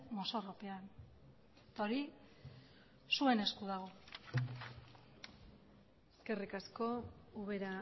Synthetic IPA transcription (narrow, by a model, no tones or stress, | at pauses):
mo̞so̞ropean | t̪aoɾi | sue̞ne̞skuðaɣ̞o̞ | eske̞rikasko̞uβe̞ɾa